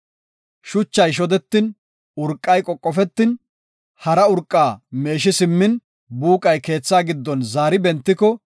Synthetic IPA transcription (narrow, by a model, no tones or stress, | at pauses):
ʃʊt͡ʃːɐjʃ̬ɔd̪ɛt̪ːɪn | ʊɾkʼːɐjkʼɔkʼːɔfɛt̪ːɪn | hɐɾɐʊɾkʼːaːme̞ːʃɪsɪmːɪn | buːkʼɐjke̞ːt͡sːaːɡɪd̪ːɔnzaːɾɪbɛnt̪ːɪkɔ